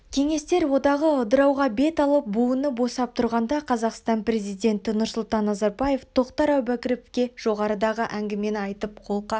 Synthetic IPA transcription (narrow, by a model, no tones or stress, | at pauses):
kʲʰe̞ŋe̞st̪e̞ɾwo̞d̪ɑʁəʊd̪əɾɑwʁɑbe̞t̪ɑlˠəp̚buənəbo̞sɑp̚t̪ʰʊɾʁɑnd̪ɑqʰɑzɑqst̪ɑnpɾe̞zijd̪ʲe̞nt̪ɪnʊɾsʊlˠt̪ɑnːɑzɑɾbɑje̞ft̪ʰo̞qt̪ɑɾæwbækʲɪɾɪpkʲe̞ʒ̥o̞ʁɑɾəd̪ɑʁəʔæŋɡʲɪme̞nɑjt̪əp̚qʰo̞lˠqɑ